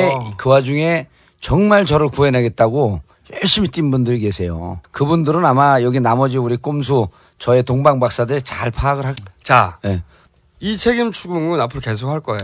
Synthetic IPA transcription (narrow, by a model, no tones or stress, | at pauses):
ekɯwad͡ʑuŋe̞ | t͡ɕʌŋmaɭt͡ɕʌɾɯɭkue̞nɦaɡe̞t̚t͈aɡo | jʌɭɕ͈imit͈inbundɯɾike̞sʰe̞jo̰kɯbundɯɾɯnamajʌɡinamʌd͡ʑiuɾik͈oms̬ʰo | t͡ɕʌe̞toŋbaŋbak̚s͈adɯɾet͡ɕaɭpʰaːɡɯɭɦat͡ɕane | it͡ɕʰeɡimt͡ɕʰuɡuŋɯnapʰɯɾoke̞s̬ʰokʰaɭk͈ʌeo